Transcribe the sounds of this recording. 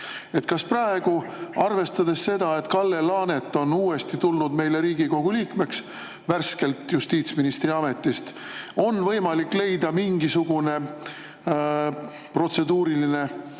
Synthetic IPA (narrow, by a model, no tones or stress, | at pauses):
e̞t̪kɑsprɑe̞ɡ̥uɑrve̞st̪ɑd̪̥e̞sse̞d̪̥ɑe̞t̪kɑlːe̞lɑːne̞t̪ːˑo̞nuːe̞st̪it̪ulnud̪me̞jle̞ɾiːɡ̥iko̞ɡ̥uliːkme̞ks | værske̞lt̪just̪iːt̪sminist̪riɑme̞t̪ːˑist̪ | o̞nvɤ̞jmɑlikːˑle̞jd̪̥ɑmiŋɡisuɡ̥une̞ | pro̞t̪se̞d̪uːɾiline̞